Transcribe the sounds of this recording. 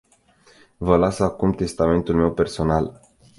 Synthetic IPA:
vəlasakumt̪e̞st̪ame̞nt̪ulme̞wpe̞rso̞nal

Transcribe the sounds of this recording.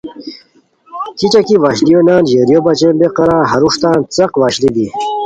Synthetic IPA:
kit͡ɕakiʋaːɕlijonaːnʑeːɾjobɐt͡ɕenbeqɐɾãːɦɐɾuʂt̪ãːnt͡sɐqʋaːɕlid̪i

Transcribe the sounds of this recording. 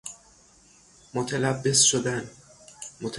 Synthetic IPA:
mot̪ʰelæbːesʃod̪æn | mot̪ʰ

